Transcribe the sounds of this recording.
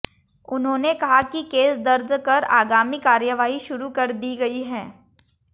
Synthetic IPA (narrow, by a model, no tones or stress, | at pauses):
ʊnɦõːnekɐɦakikeːsd̪ɐɾd͡ʒkɐɾa̰ːɡaːmikaːɾjəʋaːɦiʃʊɾukɐɾd̪iːɡɐiɦɛ̃ː